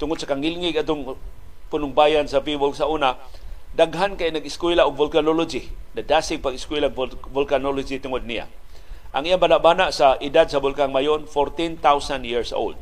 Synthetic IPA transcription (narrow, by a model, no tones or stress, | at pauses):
t̪ʊŋʊd̪̚sakaŋɪlŋɪɡat̪ʊŋ | pʊnʊŋbajansavivʊlsaʔunadaɡɦankajnaɡɪskwilaʔʊɡ̚vʊlkanolod͡ʒinadasɪɡ̚paɡɪskwilaɡvʊlkanolʊd͡ʒit̪ʊŋʊd̪̚nija̰ | ʔaŋʔijabanaʔbanaʔsaʔɪdad̪sabʊlkaŋmajʊnfoɾt̪int̪awsandjiɹso̰ld̪̚